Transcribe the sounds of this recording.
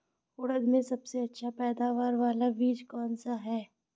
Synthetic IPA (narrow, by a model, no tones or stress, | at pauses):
ʊɽəd̪mẽsɐbseɐtːʃʰapɛːd̪aːʋaːɾʋaːlaʋiːd͡ʒkɔːnsaɦɛː